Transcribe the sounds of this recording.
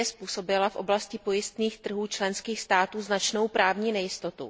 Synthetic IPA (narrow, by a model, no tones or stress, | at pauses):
ɛspuːso̞bɪlafʔo̞blascɪpo̞jɪst̪niːxt̪r̩ɦuːt͡ʃlɛnskiːxst̪aːt̪uːznat͡ʃno̞wpɾaːvɲiːnɛjɪst̪o̞t̪ṵ